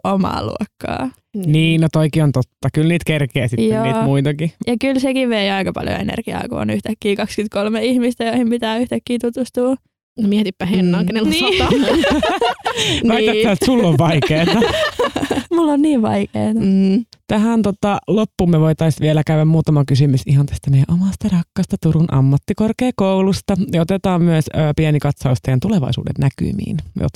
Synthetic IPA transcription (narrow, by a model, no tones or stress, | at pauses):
omɑ̰ːlṵokːɑ̰ː | niːnot̪oikiont̪ot̪ːɑkylniːt̪kerkeːsitj̪oniːtmuit̪ɑkijɑkylsekiʋʋeiɑikɑpɑ̰ljo̰ḛnḛrɡ̥iɑ̰iko̰ːnyht̪ækːiːkɑkskyt̪̚kolmeihmist̪æjoihimpit̪æːyht̪ækːiːt̪ut̪ust̪uː | nomiɛt̪ypːæhenːɑːŋkenelsɑɑmu | ʋæit̪æt̪ːæːt̪sulːoʋʋɑikeːt̪ɑ | mulːonniːʋʋɑ̰ikḛːt̪ɑt̪æɦænt̪ot̪ɑlopːuːmːeʋoit̪ɑisʋielækæyæmmuːt̪ɑmɑkysymysiɦɑnt̪æst̪æmejæ̰̃ʔomɑst̪ɑrɑkːɑst̪ɑt̪uɾunʔɑ̰mːɑt̪ːikorkeːkoulust̪ɑjɑot̪et̪ɑːmmyæsːpiɛnikɑt̪sɑust̪ejɑnt̪uleʋɑ̰isṵːdḛnnæky̰mḭːnjo̰t̪